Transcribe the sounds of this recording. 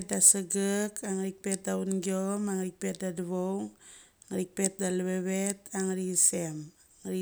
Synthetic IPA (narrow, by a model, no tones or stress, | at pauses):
t̚dasəɡəkaŋɾik̚pet̪̚daunɡiomaŋɾik̚pet̪̚daduβoŋ | ŋɾik̚pet̪̚daleβeβet̪aŋɾisem | ŋɾi